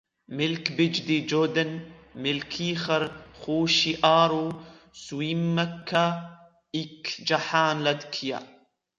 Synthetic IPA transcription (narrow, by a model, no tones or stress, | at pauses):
mɪlkbɪd͡ʒd̪id͡ʒod̪ənmɪlkʰiːxɐɾxuːʃiʔaːɾu | swiːmːakʰːa | ikd͡ʒaħaːnlad̪kʰija̰